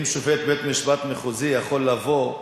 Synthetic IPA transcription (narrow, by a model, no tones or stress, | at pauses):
mʃovet̪bet̪miʃbat̪meχuzijaχo̞lːavo̞